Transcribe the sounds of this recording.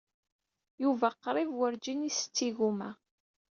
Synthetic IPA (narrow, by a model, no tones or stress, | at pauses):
juvæqːɾˤɪvwəɾd͡ʒinisə̥t͡sːiɣumæ̰